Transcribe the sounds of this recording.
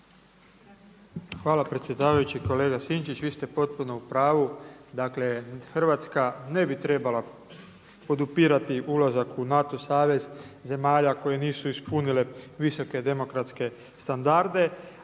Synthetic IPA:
xʋaːlapɾe̞t̪sje̞d̪aːʋajut͡ɕiko̞le̞ːɡasint͡ʃit͡ɕʋiːst̪e̞po̞t̪̚puno̞upɾaːʋud̪akle̞xr̩ʋat̪skane̞bit̪ɾe̞bala | po̞d̪upiːɾat̪iʔulazakunat̪o̞saːʋe̞zze̞maːʎako̞je̞niːsuispunile̞ʋiso̞ke̞d̪e̞mo̞kɾat̪ske̞ | st̪and̪aɾd̪e̞

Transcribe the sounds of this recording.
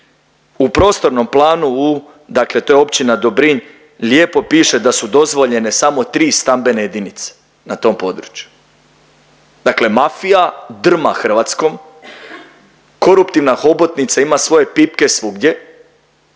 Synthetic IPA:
upɾo̞ːst̪o̞ɾno̞mplˠaːnuu | d̪akle̞t̪o̞jeo̞pt͡ʃinad̪o̞bɾiɲ | lje̞ːpo̞piːʃe̞d̪asud̪o̞zʋo̞ʎe̞ne̞samo̞t̪ɾiːst̪ambe̞nejed̪init̪se̥ | nat̪o̞ːmpo̞d̪ɾut͡ʃju̥ | d̪̥akle̞mafijad̪r̩maxr̩ʋat̪sko̞m | ko̞ɾupt̪iʋnaxo̞bo̞t̪nit̪saimasʋo̞je̞pipke̞sʋuɡd̪ʲje̞

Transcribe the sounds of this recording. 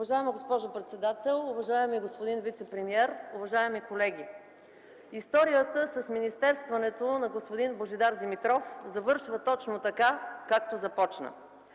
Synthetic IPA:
ʊvɐʒaɛməɡospɔʒopɾɛt̪sɛd̪at̪ɛlˠʊvɐʒaɛmiɡospod̪invit̪sɛpɾɛmiɛɾʊvɐʒaɛmikolɛɡʲi | ist̪ɔɾijət̪əsəsminist̪ɛɾst̪vɐnɛt̪onɐɡospod̪inboʒɛd̪aɾd̪imit̪ɾɔfzɐvɤɾʃvət̪ɔt͡ʃnot̪ɐkakakt̪ozɐpɔt͡ʃnə̰

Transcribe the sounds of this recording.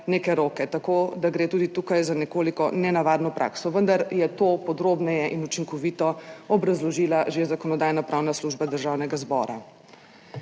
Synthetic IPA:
neːkɛɾoːkɛt̪akoːd̪aɡɾeːt̪uːd̪it̪uːkajzanɛkoːlikɔnɛnaʋaːd̪nɔpɾʔa̰ːksɔʋənd̪aɾjɛt̪oːpɔd̪ɾoːbnɛjɛʔinut͡ʃiŋkɔʋit̪ɔɔbɾazlɔʒiːlaʒezakɔnɔd̪aːjnɔpɾawnasluːʒbad̪əɾʒawnɛɡazbɔ̰ːɾa̰

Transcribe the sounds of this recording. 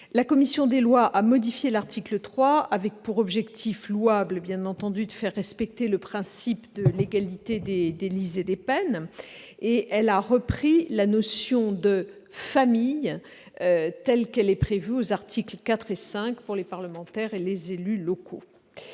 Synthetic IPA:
lakɔmisjɔ̃d̪elwaʔamɔd̪ifjelaʁt̪ʰiklət̪χwaavɛk̚puʁɔbʒɛkt̪ʰifluablbjɛ̃nɑ̃t̪ɑ̃d̪yd̪əfɛʁːɛspɛk̚t̪eləpχɛ̃sipd̪əleɡalit̪ed̪ed̪elized̪epɛn | eʔɛlaʁəpχilanɔsjɔ̃d̪ə | famij | øt̪ɛlkɛlɛpχevyozaʁt̪ʰiklkat̪χesɛ̃kpuʁlepaʁləmɑ̃t̪ɛʁelezelylɔkʰo

